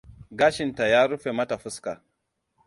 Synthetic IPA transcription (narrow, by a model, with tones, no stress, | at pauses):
ɡaː˦ʃɪ˨nta˨jaː˦ɾu˦ɸe˨mɐ˦ta˨ɸʊ˦ska˨